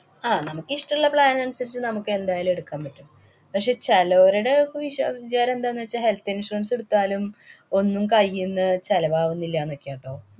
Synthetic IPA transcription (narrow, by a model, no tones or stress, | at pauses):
aːnɐmukːɨiʂʈɐmiɭːɐpɭaːnɐnusɐɾit͡ɕːɨnɐmukːɨe̞nd̪aːjaːlume̞ɽukːaːmpɐʈːum | pɐkʂe̞ːt͡ɕɐloːɾuɽekːʋiɕɐ̰ʋid͡ʑaːɾɐmend̪aːenːɨʋet͡ɕːahe̞lt̪ːinsʂʈuɐnseɽut̪ːaːlumo̞nːumkɐjːunːɨt͡ɕɐlɐʋaːʋunːilːɐjaːnokʲːejaːɳʈoː